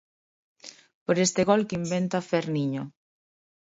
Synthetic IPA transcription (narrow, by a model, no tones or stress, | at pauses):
poɾest̪ɪɣɔlkimbent̪afeɾniɲo